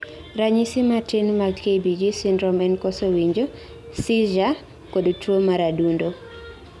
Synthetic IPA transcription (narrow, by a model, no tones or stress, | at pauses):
ɾaɲisimatenmaɡkebid͡ʒisindɾɔmɛnkɔsowiɲd͡ʒo | siʒa | kodt͡ʃwomaɾadundo